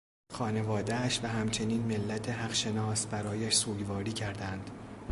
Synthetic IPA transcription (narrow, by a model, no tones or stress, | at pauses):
xɒːne̞vɒːd̪eæʃvæɦæmt͡ʃʰe̞niːnmelːæt̪ʰeɦæɣʃe̞nɒːsbæɾɒːjæʃsuːɟvɒːɾiːcʰæɾd̪ænd̪̥